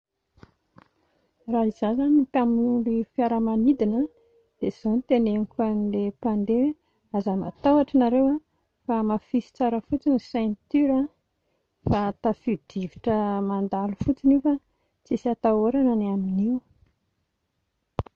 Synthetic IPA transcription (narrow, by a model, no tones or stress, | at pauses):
raɦizazanipaminulifijaɾəmanid̪inə | d̪̥ez̥onit̪enenikʲanilepand̪e | azəma̰t̪awaʈ͡ʂənaɾewa | famafisi̥t͡saɾəfut͡sinisɛ̃nt̪yɾa | fat̪afid̪̥iviʈ͡ʂəmand̪alufut͡sinifa | t͡sisiat̪aoɾananaminiw